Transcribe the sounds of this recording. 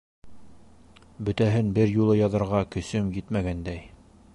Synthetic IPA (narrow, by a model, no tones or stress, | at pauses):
bɵ̆t̪æɦɘnbɘɾjulˠɤjɑðɤ̆ɾʁɑkɵ̆sɵmjɘt̪mæɡænd̪æj